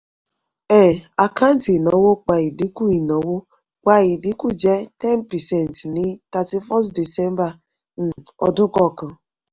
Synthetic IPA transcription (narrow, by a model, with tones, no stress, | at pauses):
ɛ˦˨a˨ka˦n̩˦ti˨nɔ˨wo˦k͡pa˨ɣɪ˨di˦ku˦i˨nɔ˨wo˦ | kʷa˦jɪ˨dɪ˦ku˦d͡ʒe˦tɛ˦npɛ˨sɛ˦˨n˨tni˦ta˨ti˦fɔ˦sdi˨sɛ˦m˦ba˨ | n̩˨ɔ˨dʊ˦kɔ˨kʊ˨